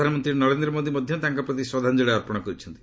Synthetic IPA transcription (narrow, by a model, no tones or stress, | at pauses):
anɔmɔnt̪ɾiɾnɔɾend̪ɾɔmod̪imɔd̪ʱjɔt̪aŋkɔpɾɔt̪iswɔd̪ʱand͡ʒeɭaɔɾpɔɽ̃kɔɾit͡ʃʰɔnt̪i